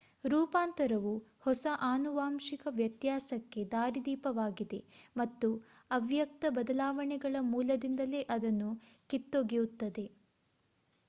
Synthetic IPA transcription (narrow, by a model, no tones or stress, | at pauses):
ɾuːpaːnt̪ɐɾɐʋuhɔsɐʔaːnuʋaːmʃikɐʋjɐt̪jaːsɐkːe̞d̪aːɾid̪iːpɐʋaːɡid̪e̞mɐt̪ːu | ɐʋjɐk̚t̪ɐbɐd̪ɐlaːʋɐɳɛɡɐɭɐmuːlɐd̪ind̪ɐle̞ːʔɐd̪ɐnːu | kit̪ːoɡijut̪ːɐd̪e̞